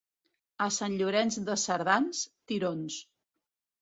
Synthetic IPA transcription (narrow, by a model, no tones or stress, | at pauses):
əsanʎuɾɛnzðəsəɾðanst̪iɾons